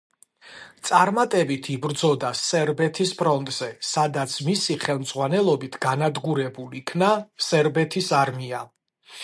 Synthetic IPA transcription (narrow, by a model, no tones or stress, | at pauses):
t̪sʼaɾmat̪ʼɛbit̪ʰibɾd̪zɔd̪asɛɾbɛt̪ʰispʰɾɔnt̪ʼz̥ɛsad̪at̪sʰmisiχɛlˠmd̪z̥ʁwanɛlˠɔbit̪ʰɡ̥anad̪ɡuɾɛbulikʰnasɛɾbɛt̪ʰisaɾmia